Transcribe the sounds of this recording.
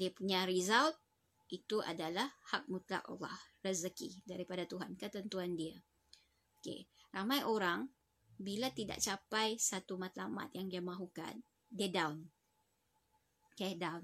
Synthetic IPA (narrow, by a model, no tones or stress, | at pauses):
diapuɲaɾizawt̪̚ | it̪uʔa̰dalahhak̚mut̪la̰ʔʔa̰lɑ̰hrəzəkidaɾipadat̪uɦankət̪ənt̪uandia | okḛramajʔoɾaŋ | bilat̪ida̰ʔ̚t͡ʃapajsat̪umat̪lama̰t̪̚jaŋdiamaɦuka̰n | diədawn | kɛdawn